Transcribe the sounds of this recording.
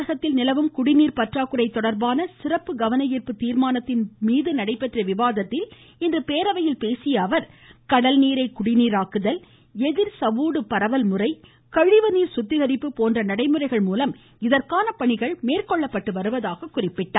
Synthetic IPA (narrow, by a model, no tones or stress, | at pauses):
ɐɣɐt̪ːɪlnɪlɐʋɯmkʊɽɪniːɾpɐʈraːkɯɾɐɪt̪ːɔɽɐɾbaːnɐsɪrɐpːɯɡɐʋɐnɐjiːrpɯt̪ːiːɾmaːnɐt̪ːɪnmiːðɯnɐɽɐɪpːɛʈrɐʋɪʋaːðɐt̪ːɪl | ɪndrɯpeːɾɐʋɐjɪlpeːsɪjɐːʋɐɾkɐɽɐlniːɾɐɪkʊɽɪniːɾaːkɯðɐl | ɛðɪɾsɐʋuːɽɯpɐɾɐʋɐlmɯrɐɪ | kɐɻɪʋɐniːɾsʊt̪ːɪɣɐɾɪpːɯpoːndrɐnɐɽɐɪmɯrɐɪɣɐɭmuːlɐm | ɪðɐrkaːnɐpɐɳɪɣɐɭmeːrkɔɭːɐpːɐʈːɯʋɐɾɯʋɐðaːɣɐkːʊrɪpːɪʈːaː